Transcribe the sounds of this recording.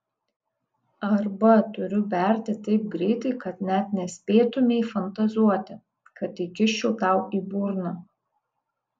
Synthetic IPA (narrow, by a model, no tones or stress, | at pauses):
ɐɾbɐt̪ʊɾʲʊʋʲɛˑɾʲt̪ʲɪt̪ɐɪp̚ɡɾʲɛɪt̪ɐɪkɐt̪nʲɛt̪nʲɛsʲpʲeːt̪ʊmʲeɪfɐnt̪ɐzuɔt̪ʲɪ | kɐt̪iːkʲɪʃʲt͡ʃʲɛʊt̪ɑˑʊiːbuːɾnɐ